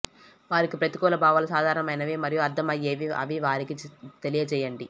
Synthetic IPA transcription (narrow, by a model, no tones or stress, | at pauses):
ʋaːɾikipɾɐt̪ikɔːlɐbʱaːʋɐlɐsaːd̪ʱaːɾɐɳɐmɐjnɐʋeːmɐɾijuɐɾd̪ʱɐmɐjeːʋiɐ̰ʋiʋaːɾikit̪elijɐt͡ʃɛːjɐɳɖi